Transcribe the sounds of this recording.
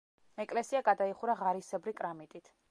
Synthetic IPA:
ɛkʼlɛsiaɡad̪aiχuɾaʁaɾisɛbɾikʼɾamit̪ʼit̪ʰ

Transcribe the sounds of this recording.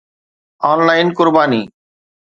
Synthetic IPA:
ɔːnlaːɪnkʊɾbaːniː

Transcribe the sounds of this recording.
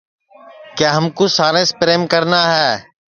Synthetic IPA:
kjaːɦəmkoːsaːɾẽːspɾeːmkəɾnaːɦɛː

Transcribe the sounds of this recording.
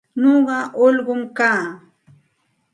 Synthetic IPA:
noɢɑʔoʎɢʊmkaː

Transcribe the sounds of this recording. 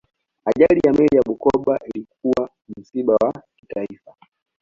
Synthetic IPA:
aʄalijamɛlijaɓukɔɓaʔilik̚uwa | m̩siɓawakitaifa

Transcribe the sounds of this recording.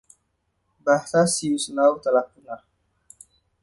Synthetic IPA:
basasiusənawt̪alapuna

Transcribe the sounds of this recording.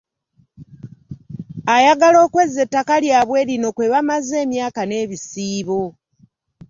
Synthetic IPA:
ajaɡalo̞ːkwe̞ze̞tːakaljaːβwe̞ːɾino̞kwe̞βamaze̞ːmjaːkane̞ːβisiːβo̞

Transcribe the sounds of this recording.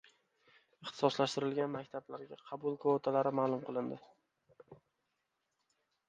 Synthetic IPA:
ɪχt̪ʰɪ̥sɒslaʃt̪ɪɾɪlɡʲanmakʲt̪ʰablaɾɡʲaqʰɑbʊlˠkʰoot̪ʰalaɾɪmaːlˠʊmqʰɨlˠɪnd̪ɪ

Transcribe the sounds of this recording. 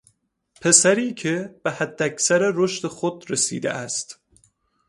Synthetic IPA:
pʰe̞sæɾiːcʰeb̥ehæd̪ːæksæɾeɾoʃt̪exod̪ɾesḭːd̪ḛʔæst̪

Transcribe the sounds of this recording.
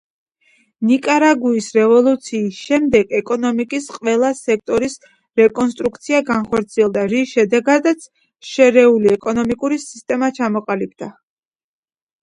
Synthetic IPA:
nikʼaɾaɡuisɾɛvɔlˠut̪sʰiːsʃɛmd̪ɛɡɛkʼɔnɔmikʼisqʼwɛlˠasɛk̚ʰt̪ʼɔɾis | ɾɛkʼɔns̬t̪ʼɾuk̚t̪sʰiaɡanχɔɾt̪sʰiɛlˠd̪aɾisʃɛd̪ɛɡad̪at̪sʰ | ʃɛɾɛuliɛkʼɔnɔmikʼuɾisist̪ʼɛmat͡ʃʰamɔqʼalib̚d̪̥a

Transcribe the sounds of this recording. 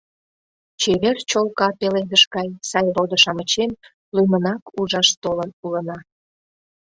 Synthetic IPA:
t͡ɕeβert͡ɕolkɑpeled̪əʃɡɑjsɑjrod̪əʃɑmət͡ɕem | lymənɑkuʒɑʃt̪olənulənɑ

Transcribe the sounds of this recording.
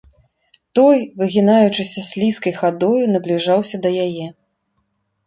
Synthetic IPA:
t̪ɔjvɨɣʲinajut͡ʂɨsʲɐsʲlʲiskɐjxad̪ɔjunɐblʲiʐawsʲɐd̪ɐjajɛ

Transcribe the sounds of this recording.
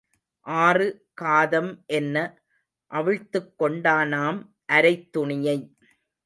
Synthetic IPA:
ʔaːrɯ | kaːðɐmʔɛnːɐ | ʔɐʋɪɻt̪ːɯkːɔɳɖaːnaːm | ʔɐɾɐɪt̪ːʊɳɪjɐɪ

